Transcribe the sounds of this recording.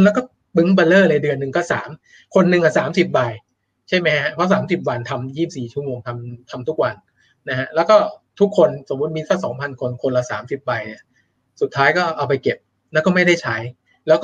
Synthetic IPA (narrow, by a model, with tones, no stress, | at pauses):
nlɛː˦˥wkɔː˥˩ | bɯ˦˥ŋba˧lɤː˥˩na˧jdɯ˧ənːɯ˨˩ŋkɔː˥˩sa̰ː˩˦m | kʰo˧nːɯ˨˧ŋʔaː˨˩saː˩˦msi˨˩p̬̚ba˧j | t͡ɕʰa˥˩jma˦˥jʰa˦˥pʰɔ˦˥˩saː˩˦msi˨˩p̬̚wa˧nt̪ʰa˧mjiː˥˩p̚siː˨˩t͡ɕʰu˥˩əmoː˧ŋt̪ʰa˧mt̪ʰa˧mt̪ʰu˦˥k̚wa˧n | na˦˥ha˦˥ʔlɛː˦˥wkɔː˥˩t̪ʰu˦˥kʰːo˧nso˨˩˦mːu˦˥t̪̚miː˧t̪ʰɔː˥˩sɔː˩˦ŋpʰa˧nkʰo˧nkʰo˧nlaː˧˩sa̰ː˩˦msi˨˩p̚ba˧jni˨˥˩ɐ | su˨˩t̪ʰːaː˦˥jkɔː˥˩ʔa˧wp̬a˧jke˨˩p̚ | lɛ˦˥kɔː˥˩ma˥˩jda˥˩jt͡ɕʰa˦˥j | lɛː˦˥kɔ˥˩